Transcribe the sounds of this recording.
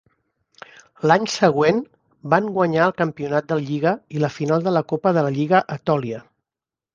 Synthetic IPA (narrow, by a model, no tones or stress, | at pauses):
laɲsəɣwen | baŋɡwəɲaəlˠkəmpiunat̪̚d̪ələʎiɣəiləfinalˠd̪ələkopəðələʎiɣəʔət̪ɔliə